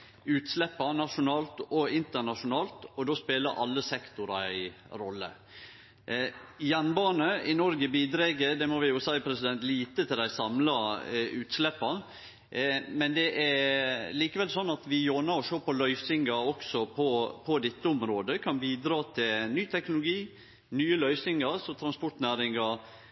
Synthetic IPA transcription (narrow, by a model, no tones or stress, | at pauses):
ʉːt̪slɛpːɑnɑʂʊnɑːlt̪ɔɪnt̪əɳɑʂʊnɑːlt̪ɔd̪oːspeːləɾʔɑlːəsɛkt̪ʊɾɑæɪ | ɾɔlːə̰ | jɛnbɑːnəɪnɔɾɡəbiːd̪ɾeːɡəd̪ɛmɔʋɪjʊsæɪpʰɾɛsɪd̪ɛnt̪liːt̪ət̪ʰɪld̪æɪsɑmlɑʉːt̪slɛpːɑ | mɛnd̪ɛʔæɾliːkəʋɛlsɔnːɑt̪ʋɪjoːnɑɾɔʃøːɾpɔlœʏsɪŋɡɑɾɔksɔpʰɔpʰɔd̪ɪt̪ːəʊmɾoːd̪əkʰɑnbiːd̪ɾɑːt̪ʰɪlnyːt̪ʰɛknʊlʊɡiː | nyːəlœʏsɪŋɑɾsɔt̪ʰɾɑnspɔʈnæːɾɪŋɑ